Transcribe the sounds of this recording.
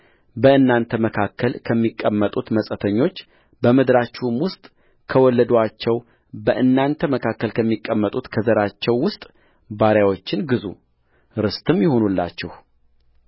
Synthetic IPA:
bəɨnːant̪ʰəməkʰakːəlkʰəmːikʼːəmːət̪ʼut̪məsʼət̪ʰəɲːo̞t͡ʃː | bəmɨd̪ɾat͡ʃːumwʊst̪ʼ | kʰəwɔlːəd̪oat͡ʃːɛw | bəʔɨnːant̪ʰəməkʰakːəlkʰəmːikʼːəmːət̪ʼut̪kʰəzəɾat͡ʃːɛwːʊst̪ʼ | baɾjawo̞t͡ʃːɪnɡɨzṵ | ɾɨst̪ʰɨmjɪho̞nulːa̰t͡ʃːɛh

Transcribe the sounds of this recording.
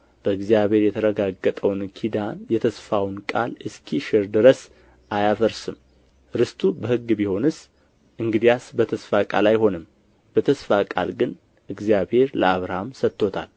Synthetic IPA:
b̥əɨɡzjaβhe̞ɾjɛt̪ʰəɾəɡaɡːət̪ʼəwnkʰid̪anjɛt̪ʰəsfawnkʼalɨskʰiʃɪɾd̪ɨɾəs | ʔajafəɾsɨm | ɾɨst̪ʰʼubəhɨɡːbiho̞nɨs | ʔɨŋɡɨd̪ijasbət̪ʰəsfakʼa̰lajɦo̞nɨm | b̥ət̪ʰəsfakʼa̰lɡɨn | ʔɨɡzijaβhe̞ɾləaβɾamsət̪ːo̞t̪ʰa̰l

